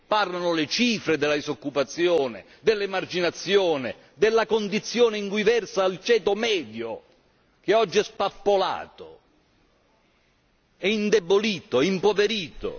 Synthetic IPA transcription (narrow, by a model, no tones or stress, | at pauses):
parlanʊlɪt͡ʃiːfɾed̪ɪlːaisokːupat̪sːjɔoːnɪ̰ | d̪ɪlːemard͡ʒinat̪sːjoːnɪ̰ | d̪ɪlːakond̪it̪sːjɔːnɪiŋkwuivɛrsaːlt͡ʃɛːt̪omɛːd̪jʊ | k̟eɔd͡ʒːiɛspapːola̰ːt̪o | ɛind̪eboliːt̪oimpoveɾiːt̪o̰